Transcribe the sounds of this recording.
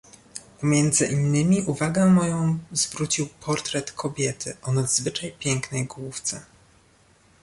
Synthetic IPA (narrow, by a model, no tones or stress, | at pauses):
pɔmʲjɛnd̪zɘʔinːɘmʲiʔuvaɡɛmɔjɔ̃w̃z̥vɾut͡ɕiwpʰɔɾt̪ɾɛt̪kʰɔbʲjɛt̪ʰɘʔɔnad̪zvɘt͡ʂajpʲjɛŋknɛjɡwuft̪sɛ